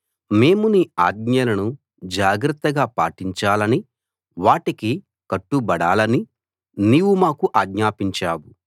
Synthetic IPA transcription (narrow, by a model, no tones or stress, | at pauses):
me̞ːmuniːaːd̪ɲɐlɐnu | d͡ʒaːɡɾɐt̪ːɐɡaːpaːʈiɲt͡ʃaːlɐni | ʋaːʈiki | kɐʈːubɐɽaːlɐni | niːwumaːkuʔaːɡɲaːpiɲt͡ʃaːwu